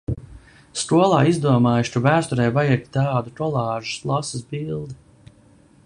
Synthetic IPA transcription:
skuɔlˠaːizd̪uɔmaːjʃt̪uvæːst̪ɔɾɛjvajɛt̪ʲt̪ɑːd̪utɔlˠɑːʒu̥slˠasisbilˠd̪i

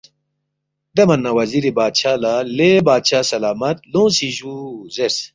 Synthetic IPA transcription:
d̪emɐnːɐwɐziɾibaːd̪ɕaːlalebaːd̪ɕaːsɐlaːmɐt̪̚lõːsiʑuzeɾs

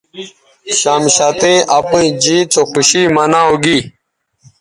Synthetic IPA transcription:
ɕaːmɕat̪eʔapĩĩd͡ʑiːt͡sʰoxuɕiːmanaːoɡi

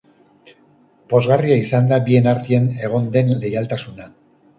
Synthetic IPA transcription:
bo̞zɣariaisand̪abie̞naɾt̪iene̞ɣ̞o̞nd̪e̞nle̞jalt̪asuna

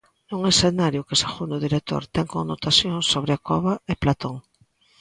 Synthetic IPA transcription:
uŋesθenaɾjʊkesexund̪oðiɾek̚t̪o̰ɾt̪ɛŋkonnot̪asjoŋsoβɾɪakɔβaeplat̪oŋ

